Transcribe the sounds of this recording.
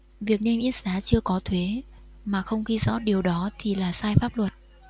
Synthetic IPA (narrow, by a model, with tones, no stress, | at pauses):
vi˨˩ək̚ne˧mʔi˦˥ət̚saː˨˦t͡ɕɨ˧əkɔ˨˦t̪ʰwe˨˦ | maː˨˩xə˧wŋ͡mxi˧zɔ̰˧˥ɗi˨˩əwɗɔ˨˦t̪ʰi˨˩laː˨˩saː˧jfaː˦˥p̚lwə˨˩t̚